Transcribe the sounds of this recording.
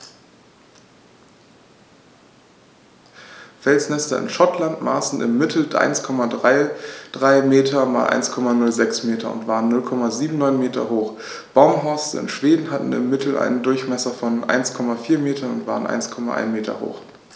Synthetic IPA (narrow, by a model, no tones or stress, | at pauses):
fɛlsnɛstɐɪ̰nʃɔtlantma̰ːsn̩ɪ̰mːɪtʰl̩ʔa̰ɪnskʰɔmadʁaɪd̥ʁaɪmeːtʰɐma̰ːlʔa̰ɪnskʰɔmanʊlzɛksmeːtʰɐʊ̰ntv̥aːʁənːʊlkʰɔmaziːbm̩nɔʏnmeːtɐ̰ɦoːχ | b̥aʊmɦɔɐstəɪ̰nʃv̥eːdn̩ɦatn̩ɪ̰mːɪtʰl̩ʔa̰ɪnəndʊɐçmɛsɐfɔnʔa̰ɪnskʰɔmafiːɐmeːtʰɐnʊ̰ntv̥aːʁənʔa̰ɪnskʰɔma̰ʔa̰ɪnmeːtʰɐ̰ho̰ːx